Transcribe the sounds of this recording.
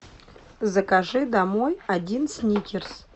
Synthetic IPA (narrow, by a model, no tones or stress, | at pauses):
zəkaʐɨd̪amojadʲinsʲnʲikʲɪrs